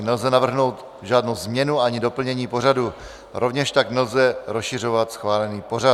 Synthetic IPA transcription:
nɛlzɛnavr̩ɦno̞wt̪ | ʒaːdnowzmɲɛnuaɲɪdo̞pl̩ɲɛɲiːpo̞radu | ɾʔo̞vɲɛʃt̪aɡnɛlzɛɾosʃɪr̝o̞vat̪sxvaːlɛniːpo̞ɾa

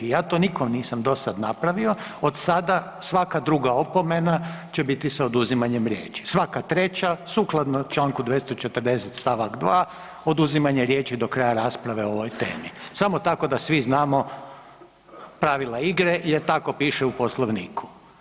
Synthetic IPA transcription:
ijaːt̪oːnikomniːsamd̪o̞sad̪napɾaʋio̞od̪sad̪a | sʋakad̪ɾuɡaopo̞menat͡ʃebit̪isaod̪uzimaɲemɾjḛːt͡ʃi̥sʋakat̪ɾe̞t͡ɕasuklˠad̪not͡ʃlˠaːŋkud̪ʋjest̪ot͡ʃet̪əɾd̪e̞set̪st̪aʋakd̪ʋaː | o̞d̪uzimaɲeɾje̞ːt͡ʃid̪o̞kɾajaɾaːspɾaʋeoo̞ʋo̞jt̪e̞̰ːmisamot̪ako̞d̪asʋiznaːmo | pɾaʋilˠaiɡɾejet̪ako̞piːʃɛuposlˠoʋniːkʰu̥

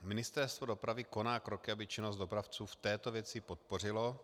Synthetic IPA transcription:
mɪnɪst̪ɛɾst̪vo̞do̞pɾavɪko̞naːkɾo̞kɪabɪt͡ʃɪnozd̪do̞pɾaft͡suːft̪ɛːt̪o̞vjɛt͡sɪpot̪̚po̞r̝ɪlo̞

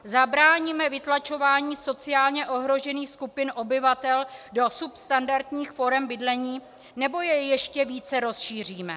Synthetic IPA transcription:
zabɾaːɲimɛvɪt̪lat͡ʃo̞vaːɲiːso̞t͡sɪjaːlɲɛʔo̞ɦɾo̞ʒɛniːxskupɪnʔo̞bɪvat̪ɛldo̞supst̪andaɾt̪ɲiːxfo̞ɾɛmbɪdlɛɲiː | nɛbo̞jɛjɛʃcɛviːt͡sɛɾo̞sʃiːr̝iːmɛ

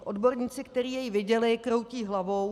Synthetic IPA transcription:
ʔodbo̞ɾɲiːt͡sɪkt̪ɛɾiːjɛjivɪɟɛlɪkɾo̞wciːɦlavow

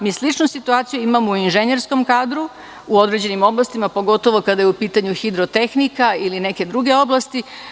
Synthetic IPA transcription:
miːslit͡ʃnusit̪uaːt̪sijuimamouinʒeneɾsko̞mkaːd̪ɾu | uo̞d̪ɾe̞d͡ʑe̞nimo̞blˠast̪imapo̞ɡo̞t̪o̞ʋo̞kad̪ajeupiːt̪aɲuxid̪ɾot̪e̞xnikailine̞ke̞d̪ɾuɡe̞o̞blˠast̪i

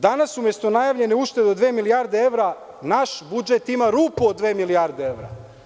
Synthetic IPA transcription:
d̪anasumje̞st̪onajaːʋʎe̞neuːʃt̪e̞d̪od̪ʋeːmilijaɾd̪ee̞ʋɾa | naʃbud͡ʒe̞t̪imaɾuːpuod̪ːʋe̞ːmilijaɾd̪ee̞ʋɾa̰

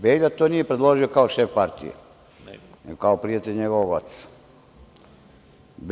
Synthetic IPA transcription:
beːʎat̪oːnije̞pɾed̪lˠoʒiokaoʃefpaɾt̪ḭjḛ | neɡokaopɾijat̪eʎʲɲeɡoʋoɡa̰t̪s | b

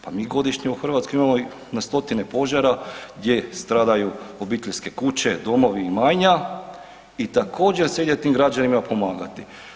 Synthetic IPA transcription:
pamiːɡo̞d̪iʃɲeuxr̩ʋaːt̪skoimamo | nast̪o̞t̪ine̞po̞ʒaɾaɡd̪je̞st̪ɾaːd̪ajuobiːt̪ʎʲske̞kut͡ɕe̞d̪o̞mo̞ʋiːmaːjɲa | it̪akʰo̞ːd͡ʑe̞ɾseid̪et̪iːmɡɾad͡ʑanimapo̞maːɡat̪i

